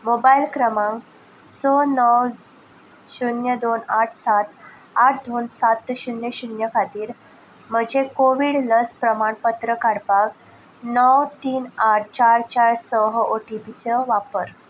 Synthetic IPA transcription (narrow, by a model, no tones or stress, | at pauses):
mobailkɾəmaŋ | sənəw | ɕunjəd̪onaʈʰsat̪ | aʈʰd̪onsat̪ɕunjəɕunjəkʰat̪iːɾ | m̤əɡd͡ʑʱekoʋiːɽləspɾəmaɳpət̪ɾəkaɽpak | nəwt̪iːnaʈ̚ʰt͡ɕaɾt͡ɕaɾsəɦoʈipit͡ɕəʋapəɾ